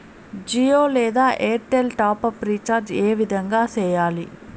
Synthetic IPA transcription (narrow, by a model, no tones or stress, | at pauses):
d͡ʒioːlɛːd̪aːʔeːɾʈelʈaːpɐpɾiːt͡ʃaːɾd͡ʒeːʋid̪ʱɐŋɡaːsɛːjaːli